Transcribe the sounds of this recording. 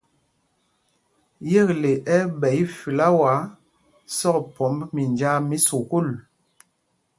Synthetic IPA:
je˦˨kle˨ʔɛ˦bɛ˨i˦fi˨la˦wa˨˦ | sɔ˦kpɔ˨˦mbmi˨nd͡ʒa˦mi˦su˨ku˦˨l

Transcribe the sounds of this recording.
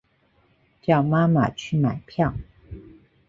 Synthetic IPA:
t͡ɕjɑ˥˩ʊma˥ma̰˨t͡ɕʰy˥˩ma˨˩ɪpʰjɑ˥˩ŋ

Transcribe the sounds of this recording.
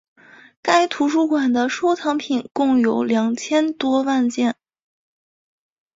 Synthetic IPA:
ka˥ɪt̪ʰu˧˥ʂu˥˩kwa˨˩nd̪ə˦ʂo˥ʊt̪ʰɑ˧˥ŋpʰi˨˩nkʊ˥˩ŋjo˧˥ʊljɑ˨˩ŋt͡ɕʰjɛ˥nt̪wɔ˥wa˥˧nt͡ɕjɛ˥˩n

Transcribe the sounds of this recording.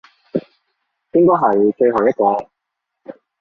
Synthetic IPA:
pɪ˥ŋkɔː˥ɦɐ˨˩jt͡ʃɵ˧ɥɦɐ˨˩wjɐ˥t̚kɔː˨˧

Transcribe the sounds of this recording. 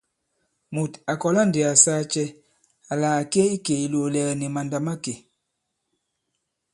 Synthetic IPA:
mu˨ta˨kɔ˨la˦ndi˨a˨saː˦t͡ʃɛ˦ | a˨laː˨ke˦i˦ke˨i˨lo˨lɛ˨ni˨ma˨nda˨ma˦ke˨

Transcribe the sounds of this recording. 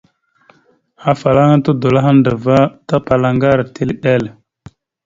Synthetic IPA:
a˨fa˨la˦ŋa˦tu˦do˨la˦ɦa˦ndə˨va˦ta˦pa˨la˨ŋɡa˦ɾti˦lɗe˦˨l

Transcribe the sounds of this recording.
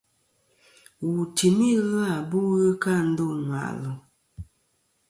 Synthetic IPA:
wu˨ti˨mi˦ɣa˦˨bu˦ɣə˦ka˦˨n̩˦dɔ˦˨nwa̰˨ʔlɔ˨

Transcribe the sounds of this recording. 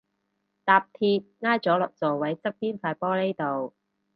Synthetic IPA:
t̪aː˨˧p̚t̪ʰiː˧t̚ŋaː˥jt͡sɔː˨˥lɔ̰ː˨˩k̚t͡sɔː˨wɐ˨˥jt͡sɐ˥k̚piː˥nfaː˧jpɔː˥ne˥jt̪o˨w

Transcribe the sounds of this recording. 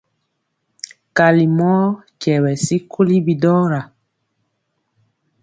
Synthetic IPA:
ka˨li˨mɔ˦cɛ˨wɛ˨si˦kʰu˦li˦bi˨dɔ˦ɾa˨

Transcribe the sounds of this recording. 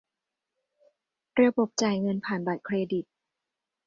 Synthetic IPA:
ɾi˧əbo˨˩p̚t͡ɕaː˨˩jŋɤ˧npʰaː˨˩nba˨˩t̪̚kʰɾeː˧di˨˩t̪̚

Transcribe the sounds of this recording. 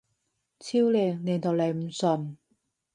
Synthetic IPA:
t͡sʰiː˥wleː˨˧˩ŋne˨˧t̪o˨˧wle˨˧jm̩˨˩sɵ˨˩n

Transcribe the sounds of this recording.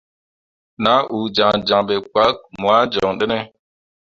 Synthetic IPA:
na˦ʔu˨d͡ʒa˨ŋd͡ʒã˨ɓe˨k͡pa˦k̚mwa˦d͡ʒɔ˨ŋɗe˦nɛ˦

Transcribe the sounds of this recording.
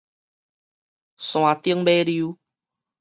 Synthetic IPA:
sw̃ã˨t̪i˦əŋbe˦ɾi˧u˦

